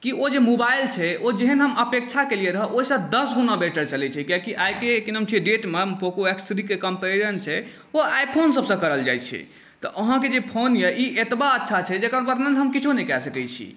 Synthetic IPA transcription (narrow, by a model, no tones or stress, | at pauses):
kiod͡ʒemobailt͡ʃʰɛod͡ʒeɦənɦəmʔəpek̚t͡ʃʰakelieɾəɦəʔoɦisə̃d̪əsɡunabeʈəɾt͡ʃəlɛt͡ʃʰɛkiakiʔajkekinəmt͡ʃʰiɖeʈmempʰokoeksɾikekəmpeɾənt͡ʃʰɛ | oajpʰonsəbsə̃kəɾəld͡ʒa̰jt͡ʃʰɛ̰ | t̪ɔʔəɦãked͡ʒepʰonjeʔiʔet̪baətːʃʰat͡ʃʰɛd͡ʒekəɾpəɾnənɦəmkit͡ʃʰonɛkɛsəkɛt͡ʃʰḭ